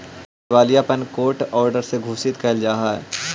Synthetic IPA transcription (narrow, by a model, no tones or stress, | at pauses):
ʋaːlijapənkoːɾʈɔːɾɖəɾseɡʱuːsɪt̪kʰɛːld͡ʒaːɦaːɛ̰